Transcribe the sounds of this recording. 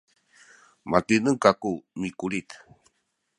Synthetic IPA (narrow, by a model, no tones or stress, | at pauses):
mat̪inəŋkakumikuɾit̪